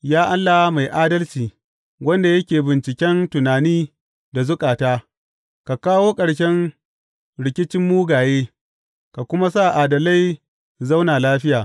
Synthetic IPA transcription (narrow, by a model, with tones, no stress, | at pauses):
jaː˦ʔa˦lːa˨wa˦ma˨jʔaː˦dɐ˦lt͡ʃiː˨ | wɐ˦nda˨jɐ˦kʲeː˨bɪ˨nt͡ʃɪ˨kʲɛ˦ntʊ˨naː˨niː˦ | da˨zʊ˦kʼaː˨taː˦ | ka˨kaː˦woː˦kʼɐ˨ɽʃɛ˦n | ɽɪ˨kʲɪ˦t͡ʃɪ˦mːuː˦ɡaː˨jeː˦ | ka˨kʷʊ˦ma˦sa˦˨ʔaː˨dɐ˨la˦j | za˦wnaː˨laː˦ɸɪ˦jaː˨